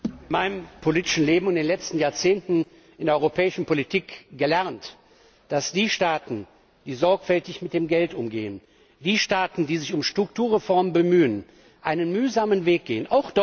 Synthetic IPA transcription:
ɪnmaɪnəmpʰoliːtɪ̥ʃn̩leːbm̩ʊnd̥eːnlɛt͡stn̩jaːɐt͡seːntn̩ | ʔɪndeɛɐɔʏʁopʰɛːɪʃn̩pʰolitʰiːkɡ̥əlɛʁnt | d̥asd̥iːʃtaːtn̩ | d̥iːzɔɐkfɛltɪçmɪt̚d̥eːmɡɛltʔʊmɡḛːən | d̥iːʃtaːtn̩diːzɪçʊmʃtʁ̥ʊk̚tuːɐʁefɔɐməbəmyːən | ʔaɪnənmyːzaːmənveːk̚ɡ̥eːənʔaʊxd̥ɔ

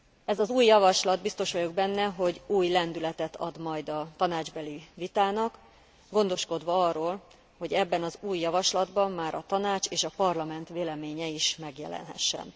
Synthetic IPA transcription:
ɛzɒzuːjːɒvɒʃlɒd̪̚bist̪o̞ʃʋɒjoɡ̚bɛnːɛɦo̞ɟuːjlɛnd̪ylɛt̪ɛt̪ʰɒ̰d̪mɒjd̪ɒt̪ɒnaːd͡ʒbɛlivit̪aːnɒk | ɡo̞nd̪o̞ʃko̞d̪ʋɒɒrːoːl | ho̞ɟɛbːɛnɒzuːjːɒvɒʃlɒd̪bɒmːaːɾɒt̪ɒnaːt͡ʃeːʃɒpɒrlɒmɛnt̪ʋeːlɛmeːɲɛiʃmɛɡjɛ̰lɛ̰nɦɛ̰ʃːɛ̰n

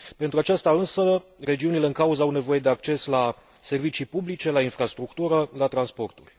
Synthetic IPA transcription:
pe̞nt̪ɾuat͡ʃast̪aɨnsəre̞d͡ʒiunile̞ɨŋkauzəawne̞vo̞je̞d̪e̞ak̚t͡ʃe̞sla | se̞rvit͡ʃipublit͡ʃe̞lainfɾast̪ɾukt̪uɾəlat̪ɾanspo̞rt̪ṵrʲ

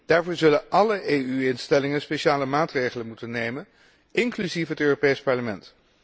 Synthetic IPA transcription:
d̥aːɹvʊːɹzɵlənʔɑləejyɪnstɛlɪŋənspeʃaːləmaːtrejχələnmutənːejmən | ʔɪŋklyzifɦətøːropejspɑɹləmɛnt

